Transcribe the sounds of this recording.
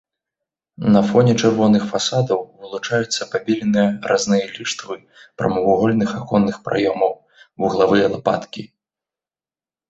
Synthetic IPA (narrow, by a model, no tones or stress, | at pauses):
nɐfɔnʲɛt͡ʂɨrvɔnɨxfasad̪ɐwvɨlˠut͡ʂajut̪sːɐpabʲilʲinɨjɐɾʔaznɨjɐlʲiʂt̪vɨ | pɾɐ̰mɐvuɣɔlʲnɨxakɔnːɨxpɾa̰jɔmɐw | uɣlˠavɨjɐlˠapa̰t̪kʲi